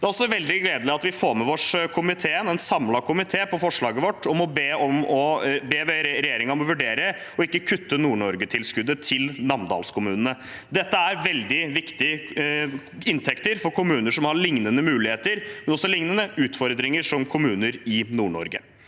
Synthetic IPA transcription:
d̪æɾɔsɔʋɛld̪ɪɡleːd̪əlɪɑt̪ʋɪfoːɾmɛʋɔʂkʰʊmɪt̪ʰeːənɛnsɑmlɑkʰʊmɪt̪ʰeːpʰɔfɔʂɭɑːɡəʋɔʈːɔmɔbeːɔmɔbeːʋeɾɾɛjeːɾɪŋɑmɔʋʉɖeːɾə | ɔɪkːəkʰʉt̪ːənuːɳɔɾɡət̪ʰɪlskʉd̪ːət̪ʰɪlnɑmnd̪ɑ̰ːlskʰʊmʉːnənə | d̪ɛt̪ːəæɾʋɛld̪ɪʋɪkt̪ɪə | ɪnt̪ʰɛkt̪əɾfɔɾkʰʊmʉːnəʂɔmhɑɾɭɪŋnənəmʉːlɪheːt̪əɾmɛnɔsːɔlɪŋnənəʉːt̪fɔɾd̪ɾɪŋəʂɔmkʰʊmʉːnəɾɪnuːɳɔ̰ɾɡə

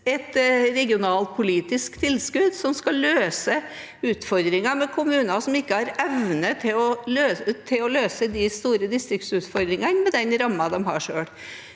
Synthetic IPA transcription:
ɛt̪ɾɛɡɪʊnɑːlpʰʊliːt̪ɪskt̪ʰɪlːskʉd̪sɔmskɑlːøːsə | ʉːt̪fɔɾd̪ɾɪŋɑmɛkʰʊmʉːnɑsɔmɪkːəhɑɾɛʋnət̪ʰɪɔløːt̪ʰɪlɔløːsəd̪ɪst̪uːɾəd̪ɪst̪ɾɪk̚t̪sʉːt̪fɔɾd̪ɾɪŋɑnmɛd̪ɛnɾɑmːɑd̪ɔmɦɑ̰ʂøːɽ

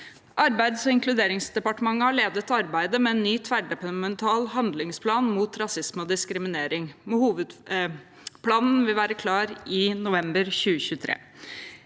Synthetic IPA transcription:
ʔɑɾbæɪd̪sɔɪŋklʉd̪eːɾɪŋsd̪ɛpɑʈəmɑŋːəhɑɭeːd̪ət̪ɑɾbæɪd̪əmɛɛnːyːt̪ʰʋæɖɛp̪mɛnt̪ʰɑːlɦɑnd̪lɪŋspʰlɑːnmuːt̪ɾɑsɪsmɔd̪ɪskɾɪmɪneːɾɪŋmɛhuːʋəd̪ | pʰlɑːnn̩ʋɪlʋæːɾəkʰlɑːɾɪnʊʋɛmbəɾçʉːəçʉːət̪ʰɾḛː

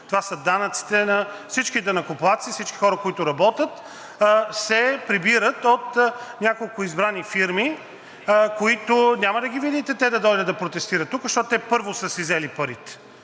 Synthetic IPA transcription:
t̪ovasəd̪anɐt̪si̥t̪ɛnɐfsit͡ʃkid̪ɐnɐkʊplˠat̪sifsit͡ʃkixɔɾəkoit̪ʊɾɐbɔt̪ət̪ | sɛpɾibiɾət̪ot̪nʲakolˠkʊizbɾanifiɾmi | koit̪ʊnʲamɐd̪ɐɡʲivid̪it̪ɛt̪ɛd̪ɐd̪ɔjd̪əd̪d̪ɐpɾot̪ɛst̪iɾət̪ːukzɐʃt̪ɔt̪ʊt̪ɛpɤɾvosəsizɛlipɐɾit̪ɛ̥

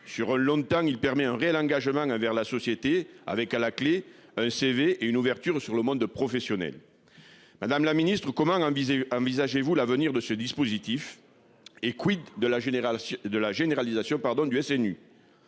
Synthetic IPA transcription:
syʁɛ̃lɔ̃t̪ɑ̃ilpɛʁmɛɛ̃ʁeɛlɑ̃ŋɡaʒəmɑ̃ɑ̃vɛʁlasɔsjet̪ea̰vɛkalakle | ɛ̃seveʔeynuvɛʁt̪yʁsyʁləmɔ̃d̪pχɔfesjɔnɛ̰l | mad̪amlaminist̪χəkɔmɑ̃ɑ̃vɑ̃vizaʒevulavəniʁd̪əsəd̪ispozit̪if | ekwid̪ːəlaʒd̪əlaʒeneʁalizasjɔ̃paʁd̪ɔ̃d̪yɛsɛny

